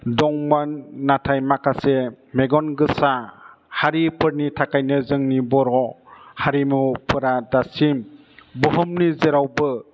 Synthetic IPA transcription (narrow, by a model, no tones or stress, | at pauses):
dɔŋmanːatʰajmakase | meɡɔnɡɯsa | haɾipʰɯɾnitʰakajnɯzɯŋnibɔɾɔhaɾimupʰɯɾadasim | bɔɦɯmnizeɾawbɯ